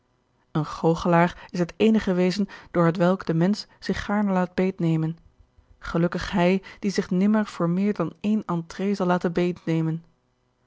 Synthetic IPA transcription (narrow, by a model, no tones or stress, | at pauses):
ənχowχəlaːrɪsɦətejnəχəʋejzənd̥ʊːɹɦətʋɛlˠɡdəmɛnsz̥ɪχːaːɹnəlaːd̚bejtnejmən | χəlɵkəχɦɛjd̥izɪχnɪməɹv̥ʊːɹmɪːɹdɑnejnɑntrejzɑlˠːaːtənbejtnejmən